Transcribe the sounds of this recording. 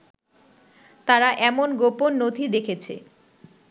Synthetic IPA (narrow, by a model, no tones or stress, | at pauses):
t̪aɾaʔɛmonɡoponːod̪ʱid̪ekʰet͡ɕʰḛ